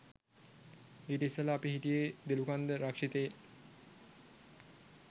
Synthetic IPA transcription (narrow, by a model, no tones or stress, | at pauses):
eʈəisːələapihiʈijed̪elukand̪əɾakʂit̪ej